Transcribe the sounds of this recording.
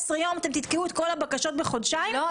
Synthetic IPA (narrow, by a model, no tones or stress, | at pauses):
sʁejo̞mat̪emt̪it̪keuet̪ko̞labakaʃo̞t̪̚beχo̞dʃajo